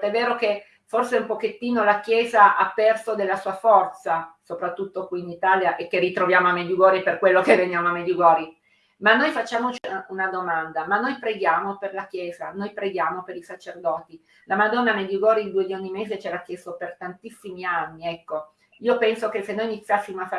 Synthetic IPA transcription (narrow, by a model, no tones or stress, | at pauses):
t̪ɛvːeːɾoke | forseumpoket̪ːiːnolakjɛːzaʔapːɛrsod̪elːasuːafɔrt̪sasopɾat̪ːut̪ːokwiːnit̪aːljaʔekːerːit̪ɾovjaːmoamːed̪juɡɔːɾiperkwelːokevːenjaːmoamːed̪juɡɔːɾi | manːojfat͡ʃːaːmot͡ʃunad̪omand̪amanːojpɾeɡjaːmoperlakjɛːzanojpɾeɡjaːmopeɾisat͡ʃerd̪ɔːt̪i | lamad̪ɔnːamed̪juɡɔːɾid̪id̪ued̪ionːimeːzet͡ʃɛɾakːjest̪opert̪ant̪isːimianːiɛkːo | iːopɛnsokesːenːojinit̪sːjasːimoafa